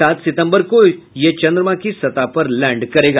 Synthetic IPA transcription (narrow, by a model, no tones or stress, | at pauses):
at̪sɪt̪ə̃mbəɾkoj | jet͡ɕə̃nd̪ɾəʋãkisət̪apəɾlɛ̃ɳɖkəɾeɡa